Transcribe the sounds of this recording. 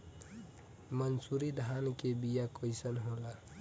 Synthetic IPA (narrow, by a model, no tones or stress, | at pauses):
mənsuɾid̪ʱankebijakoɪsənɦola